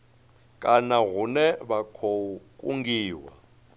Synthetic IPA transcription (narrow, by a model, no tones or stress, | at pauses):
kʼanaɣunɛβakʰokʼuŋɡiːwa̰